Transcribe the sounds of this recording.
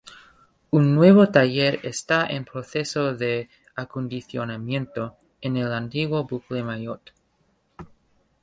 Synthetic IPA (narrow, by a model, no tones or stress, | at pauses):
unːwe̞βot̪aʝeɾest̪aʔḛnpɾoθe̞soðe | akond̪iθjonamjẽ̞nt̪o | enelant̪iɣwobuklemajot̪